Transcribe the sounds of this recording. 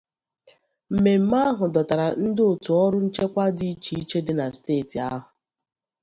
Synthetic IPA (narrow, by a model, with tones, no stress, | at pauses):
m̩˨me˨m̩˦ma˦ɦʊ˨dɔ˨ta˨ɾa˨n̩˦dɪ˦o˨tu˨ɔ˦ɾʊ˦n̩˦t͡ʃe˦kʷa˦di˦t͡ʃi˨i˦t͡ʃe˦dɪ˦na˨steː˦˨ti˨a˦ɦʊ˨